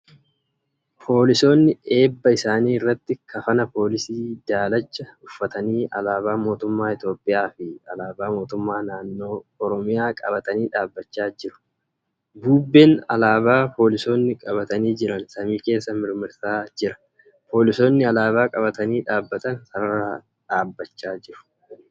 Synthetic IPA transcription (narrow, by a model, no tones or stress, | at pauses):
pʰo̞ːlɪso̞ːnːɪe̞ːbːɐɪsaːniːɪrːɐt̪ːɪkʰɐfɐnɐpo̞ːlɪsiːd̪aːlɐt͡ʃːɐʊfːɐt̪ɐniːɐ̰laːβaːmo̞ːt̪ʊmːaːɪt̪jo̞ːpʼːɪjaːfɪɐlaːbaːmo̞ːt̪ʊmːaːnaːnːo̞ːɔɾɔmɪjaːkʼɐbɐt̪ɐniːᶑaːbːɐt͡ʃːaːd͡ʒɪɾʊ̥ | buːbːeːnɐ̰laːbaːpo̞ːlɪso̞ːnːɪkʼɐβɐt̪ɐniːd͡ʒɪɾɐnsɐmiːke̞ːsːɐmɪɾmɪɾsaːd͡ʒɪɾɐ̥ | pʰo̞ːlɪso̞ːnːɪɐlaːβaːkʼɐβɐt̪ɐniːᶑaːbːɐt̪ɐnsɐɐɾaː | ᶑaːbːɐt͡ʃːaːd͡ʒɪɾʊ̥